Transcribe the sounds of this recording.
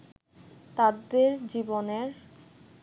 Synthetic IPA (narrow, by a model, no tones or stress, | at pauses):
t̪ad̪eɾd͡ʑiboneɾ